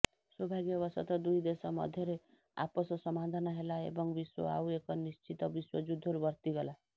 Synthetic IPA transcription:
swɔbʱaɡjʌβʌsɔt̪ɔd̪ujd̪esɔmʌ̰d̪ʱjʌɾe | a̰pɔsɔsʌmad̪ʱanʌɦelaḛbʌŋbiswʌ̰a̰wekɔnist͡ʃʰit̪ʌbiswʌd͡zud̪ʱːɔɾubʌɾt̪iɡʌla

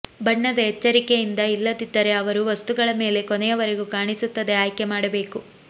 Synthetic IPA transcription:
bɐɳːɐd̪ɐɦɛt͡ʃːɐɾike̞jind̪ɐilːɐd̪id̪ːɐɾe̞ɐʋɐɾuʋɐst̪uɡɐɭɐme̞ːle̞konejɐʋɐɾe̞ɡukaːɳisut̪ːɐd̪e̞aːjkemaːɽɐbe̞ːku

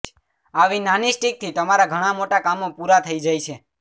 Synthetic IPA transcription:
aʋinanisʈik̚t̪ʰit̪əmaɾaɡʱəɽ̃amoʈakamopuɾat̪ʰəid͡ʒajt͡ʃʰe

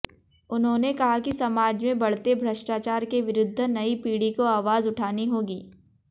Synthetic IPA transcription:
ʊnɦõːnekɐɦakisɐmaːd͡ʒmẽbɐɽ̤t̪ebʱɾəʃʈaːt͡ʃaːɾkeʋɪɾʊd̪ʱːnɐipiːɽikoaːʋaːzʊʈʰaːniɦoːɡiː

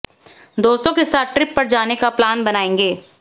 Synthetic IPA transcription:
d̪oːst̪õkesaːt̪̚ʈɾɪpːɐɾd͡ʒaːnekaplaːnbɐnaːẽːŋɡeː

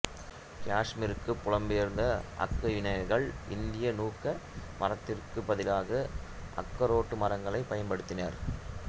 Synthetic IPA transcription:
kaːʂmɪɾɯkːɯpːʊɻɐmbɪjɐɾnd̪ɐʔɐ̰kːɐɪnɐɐɣɐɭɪnd̪ɪjɐnuːkːɐmʔɐrɐt̪ːɪrkɯbɐðɪlaːɣɐʔɐ̰kːɐɾoːʈːɯmɐɾɐŋɡɐɭɐɪpɐjɐnpɐɽɯt̪ːɪna̰ːɾ

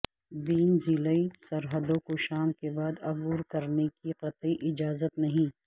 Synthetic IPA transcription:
ʋiːnziləisɐɾɦəd̪õkoʃaːmkebaːd̪ɐbuːɾkɐɾnekiqɐt̪iʔɪd͡ʒaːzət̪nɐɦĩː

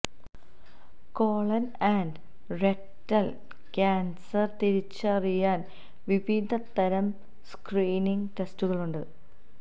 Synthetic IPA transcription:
koːɭɐnɐɳɖ | rek̚ | tɐl | kʲaːnsɐrt̪iɾit͡ɕːɨɐrijaːn | ʋibʱiːd̪ɐt̪ːɐɾɐm | skriːniŋɡʈe̞stuɣɐɭuɳɖɨ

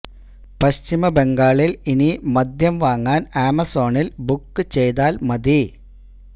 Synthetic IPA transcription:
pɐɕt͡ɕimɐbe̞ŋɡaːɭilinimɐd̪jɐmʋaːŋːaːnaːmɐso̞ːɳilbukːɨt͡ɕe̞jt̪aːlmɐd̪i

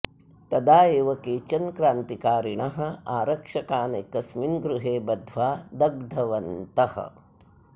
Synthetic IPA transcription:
t̪ɐd̪aːjeːʋɐkeːt͡ʃɐnkɾaːnt̪ikaːɾiɳɐɦɐ̆aːɾɐkʂɐkaːnekɐsminɡɾuɦeːbɐd̪ʱʋaːd̪ɐɡ̚d̪ʱɐʋɐnt̪ɐhɐ̰

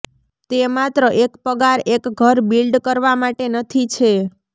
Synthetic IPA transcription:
t̪emat̪ɾəʔekpəɡaɾekɡʱəɾbilɖkəɾʋamaʈenət̪ʰit͡ʃʰe

